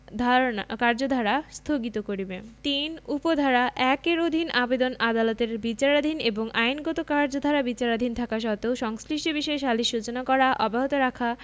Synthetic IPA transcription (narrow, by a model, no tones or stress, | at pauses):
d̪ʱakaɾd͡ʑod̪ʱaɾast̪ʰoɡit̪okoɾibet̪inupod̪ʱaɾaʔɛkeɾod̪ʱinabed̪onad̪alot̪eɾbit͡ɕaɾad̪ʱineboŋajnɡɔt̪okaɾd͡ʑod̪ʱaɾabit͡ɕaɾad̪ʱint̪ʰakaʃ̬ɔt̪eoʃɔŋsliʃʈibiʃɔeʃaliʃut͡ɕonakɔɾaʔɔbaɦot̪oɾakʰa